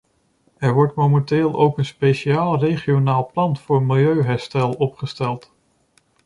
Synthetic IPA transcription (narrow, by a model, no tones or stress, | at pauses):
ɛɹʋɔɹtmomɛntɪːlˠowkənspejʃiaːlˠrejχionaːlˠplɑnfʊːɹmɪlˠjøɥɦɛɹstɛlˠɔpχəstɛlˠt